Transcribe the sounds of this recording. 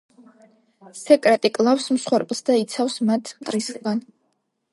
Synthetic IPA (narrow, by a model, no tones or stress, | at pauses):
sɛkʼɾɛt̪ʼikʼlˠafsmsχwɛɾpʼlˠsd̪ait̪sʰafsmat̪ʰt̪ʼɾislˠɡan